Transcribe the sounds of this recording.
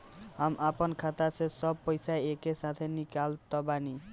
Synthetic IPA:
amʔaponkʰat̪asʰesɔb̚pojsaeekesat̪ʰenikalt̪ɔbani

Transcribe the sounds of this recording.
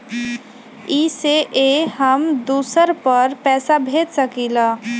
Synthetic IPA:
iseʔeɦəmd̪uːsəɾpəɾpɛːsabʱeːt̪səkila

